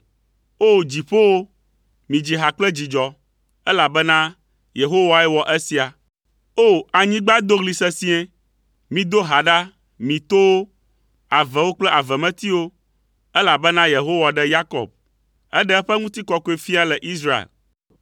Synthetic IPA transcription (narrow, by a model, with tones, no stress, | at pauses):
o˦d͡ʑi˨ɸo˦wo˦ | mĩ˨d͡ʑi˨ɦa˨k͡plɛ˦d͡ʑi˨d͡ʒɔ˨ | ɛ˦la˨bɛ˦nã˦ | je˨ɦo˦wa˨ɛ˦wɔ˨ʔɛ˦si˦a˨ | o˦a˨ɲĩ˦ɡ͡ba˦d̪o˦ɣli˨sɛ˦sĩ˦ɛ̃˦ | mĩ˨d̪o˦ɦa˨ɖa˦ | mĩ˨t̪o˦wo˦ | a˨vɛ˨wo˦k͡plɛ˦ʔa˨vɛ˨mɛ̃˦t̪i˦wo˦ | ɛ˦la˨bɛ˦nã˦je˨ɦo˦wa˨ɖɛ˦ja˦kɔ̰˨b̚ | ɛ̰˦ɖɛ˦ɛ˦ɸɛ˦ŋũ˦t̪i˦kɔ˦ko˦e˨fi˦a˦lɛ˨ʔi˦s̬ɾa˦ḛ˨l